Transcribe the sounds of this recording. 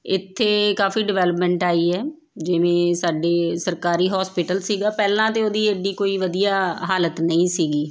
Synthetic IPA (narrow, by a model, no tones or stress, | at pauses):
ɪ̰t̪ʰːeːkaːfiːɖɪʋɛːləpmɛ̃ːɳʈaːiːɛː | d͡ʒɪʋẽːsaːɖeːsəɾkaːɾiːɦɔːspɪʈəlsiːɡaːpɛːlãːt̪eːoːd̪iːeːɖiːkoːiːʋəd̪ijaːɦaːlət̪nəĩːsiːɡiː